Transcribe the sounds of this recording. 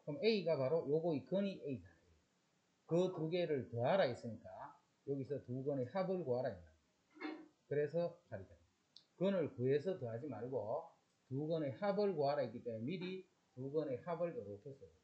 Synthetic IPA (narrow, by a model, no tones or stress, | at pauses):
komeiɡapaɾojoɡoikʌniʔeiɡaeo | kɯtuɡe̞ɾɯɭtɯɦaɾais͈ɯɲik͈a | jʌɡisʰʌtuɡʌnehabɯɭkoɦaɾaitda | kɯɾe̞sʰʌpaɾida | kɯnɯɭkɯesʰʌtɯɦad͡ʑimaɭɡo | tuɡʌnehabɯɭkoɦaɾaitk͈ːit͈ememiɾi | tuɡʌnehabɯɭjʌɾotʰesʰʌjo